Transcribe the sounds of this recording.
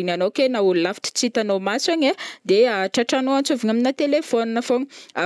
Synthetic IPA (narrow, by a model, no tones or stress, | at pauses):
inanokenaululafi̥ʈ͡ʂi̥t͡sit̪anomasaɲad̪eaʈ͡ʂaʈ͡ʂanoant͡soviɲaminat̪elefoninafoɲia